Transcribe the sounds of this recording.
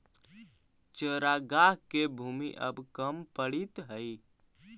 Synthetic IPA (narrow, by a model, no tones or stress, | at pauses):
t͡ʃəɾaɡaɦkebʱumḭʔə̰bkəmpəɽit̪ɦəj